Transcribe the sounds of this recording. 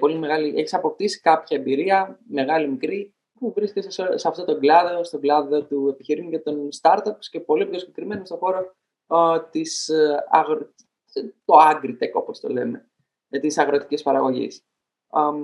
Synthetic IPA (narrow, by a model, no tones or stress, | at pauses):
po̞lime̞ɣɐliʔeçi̥sɐpo̞p̚t̪isi̥kɐpçɐembiɾiɐme̞ɣɐlimikɾi | puvɾiscessseɐft̪ot̪oɡlɐðo̞st̪o̞ɡlɐðo̞t̪ue̞piçiɾiucɐt̪o̞nst̪ɐɾt̪opsce̞po̞lieposce̞kɾime̞nost̪o̞xo̞ɾo | t̪isɐ̰ɣɾ | t̪o̞ɐŋɡɾit̪e̞ko̞̰po̞st̪o̞̰le̞̰me̞ | t̪isɐɣɾo̞t̪i̥cispɐɾɐɣo̞ʝḭs